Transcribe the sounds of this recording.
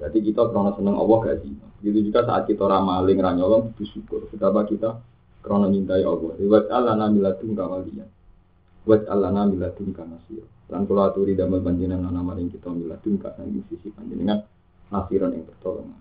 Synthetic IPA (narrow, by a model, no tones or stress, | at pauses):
d͡ʒat̪ikit̪akɾɔnɔsənəŋʔɔ̰bɔhɡazimabəɡit̪̬ud͡ʒuɡasaa̰t̪̚kit̪aɾamalɪŋraɲɔlɔŋit̪usukʊrkət̪abakit̪a | kəɾonɔt͡ʃint̪aiʔɔbɔhwat͡ʃalanambilat̪uŋkawalia̰n | wat͡ʃa̰lanaːmbilat̪uŋkanasḭɾɔnlankulaat̪uɾidamabaɲd͡ʒinananamalɪŋkit̪aambila̰t̪uŋka̰saŋdḭsisib̥aɲd͡ʒinəŋan | nasiɾɔnja̰ŋp̪ərt̪ɔlɔ̰ŋa